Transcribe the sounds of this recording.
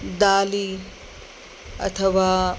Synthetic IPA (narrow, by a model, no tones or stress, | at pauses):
d̪aːli | ɐ̰t̪ʰɐʋaː